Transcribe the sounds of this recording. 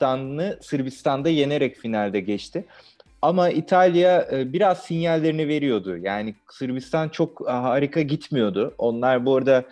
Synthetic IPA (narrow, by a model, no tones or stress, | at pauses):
t̪annɯsɯɾbist̪ʰand̪aje̞ne̞ɾɛcfinalʲd̪ɛɟɛt͡ʃt̪ʰɪ | amaʔit̪ʰalʲijabiɾaz̥sinjalʲːe̞ɾinive̞ɾijo̞d̪ʊjaːni | sɯɾbist̪ʰant͡ʃʰo̞kɦaːɾikʰaɟit̪mijo̞d̪ʊo̞nlˠaɾboɾd̪a